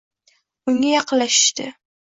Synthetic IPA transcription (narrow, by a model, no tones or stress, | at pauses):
ʊŋajɑqɨlːaʃɪ̥ʃt̪ɪ